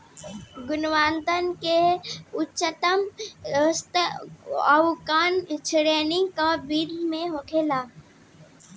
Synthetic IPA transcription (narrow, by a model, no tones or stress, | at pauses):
ɡʊnwaːnt̪ənkeʊtːʃət̪əməst̪ | əwkaːnt͡ʃʰɪɽeːnĩkabiːd̪ʱmẽɦoːkʰeːlaː